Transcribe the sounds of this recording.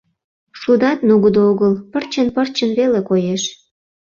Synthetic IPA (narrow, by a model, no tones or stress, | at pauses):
ʃud̪ɑt̪nuɣəd̪ooɣəlpərt͡ɕənpərt͡ɕənβelekojeʃ